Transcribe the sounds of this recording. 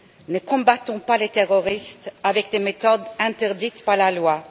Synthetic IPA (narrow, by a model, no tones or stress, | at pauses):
nəkɔ̃bat̪ɔ̃palet̪eʁɔʁist̪avɛk̚d̪emet̪ɔd̪ɛ̃t̪ɛʁd̪it̪paʁlalwa